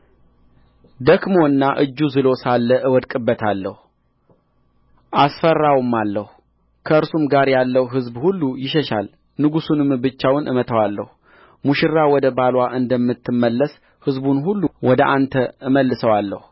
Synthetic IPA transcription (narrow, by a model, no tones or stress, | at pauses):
d̪əkmo̞ɨnːaʔɨd͡ʒːuzɨlo̞salːəʔɨwɔd̪kʼɨbːət̪ʰalːəhu | ʔasfərːawmːalːəhu | kʰəɨɾsumɡaɾjalːəwɦɨzbhulːujɪʃɛʃa̰l | nɨɡusunɨmbɨt͡ʃːawnʔɨ̰mət̪ʰəwalːə̰hu | muʃɪrːawɔd̪əbalwaʔɨnd̪əmːɨt̪ːɨmːəlːəs | hɨzbunɦulːuwɔd̪əʔant̪ʰəɨməlːɨsəwalːə̰hu